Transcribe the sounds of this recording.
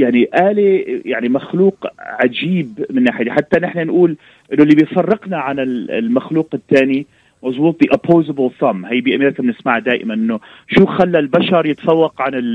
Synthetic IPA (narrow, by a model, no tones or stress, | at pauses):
jaʕniʔaːlijaʕnimaxluːqʕad͡ʒiːbmɪnːaːħɪjd̪iħat̪ːanɪħnanʔuːl | ʔɪnːʊlːiːbɪjfɑrˤːɪqnaʕanɪl̰lmaxluːqɪt̪ːaːni | mɑʒbuːt̪ˤðiʔapʰːoːzɪbɪlsˤɑmːhajːbiːʔameːɾɪkabɪnɪsmaʕad̪aːʔɪ̰manʔɪnːʊ | ʃuːxalːalbaʃɑɾˤjɪt̪ḁfɑwːɑqʕanɪl